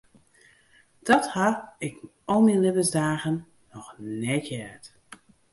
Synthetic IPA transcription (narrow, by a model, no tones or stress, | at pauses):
d̥ɔthaɪk | ɔlˠminlɪbəsdaːɣənː | ɔxnɛkʰjɛt